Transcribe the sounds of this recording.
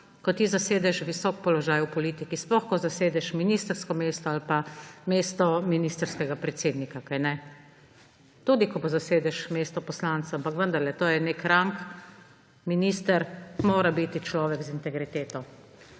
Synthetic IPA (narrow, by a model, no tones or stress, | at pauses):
kɔt̪izaseːd̪ɛʃʋisɔk̚pɔlɔʒaːjwpɔliːt̪ikisplɔxkɔzaseːd̪ɛʃminiːst̪ɾskɔmeːst̪ɔalpameːst̪ɔminist̪ɾskɛɡapɾɛt̪seːd̪nikakajnɛ | t̪ud̪ikɔbozaseːd̪ɛʃmeːst̪ɔpɔslant̪saampakʋənd̪aɾlɛt̪oːjɛnekɾaŋk | miniːst̪əɾmoːɾabit̪it͡ʃlɔːʋɛɡzint̪ɛɡɾit̪eːt̪ɔ